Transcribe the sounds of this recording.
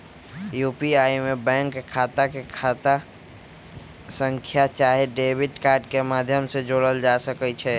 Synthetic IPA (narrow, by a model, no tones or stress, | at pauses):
jupiaimebɛ̃ŋkkʰːat̪akekʰat̪a | sə̃ŋkʰjat͡ʃaɦeɖebiʈkaɾɖkemad̪ʱjəmsed͡ʒoɽəld͡ʒasəkɛt͡ʃʰɛ